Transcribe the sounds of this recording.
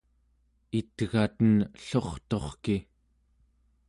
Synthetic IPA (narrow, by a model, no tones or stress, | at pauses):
it̪ɣat̪ənɬo̞χt̪o̞χki